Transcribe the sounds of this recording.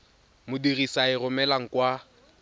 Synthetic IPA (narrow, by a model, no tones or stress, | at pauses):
mʊdirisaɪrʊmɛlaŋ̩kʼwa